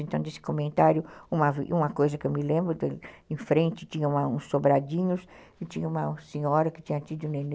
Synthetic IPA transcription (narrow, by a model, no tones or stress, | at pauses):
ẽnt̪ɐ̃w̃d̪esɪ̥komẽnt̪aɾjʊũmɐvũmɐkojzɐkewmɪlẽmbɾʊd̪eẽfɾẽnt͡ʃɪt͡ʃĩɲɐũmɐũsːobɾad͡ʒĩɲʊs | ɪt͡ʃĩɲɐũmɐsĩɲɔɾɐkɪ̥t͡ʃĩɲɐt͡ʃ̪id̪ʊũnen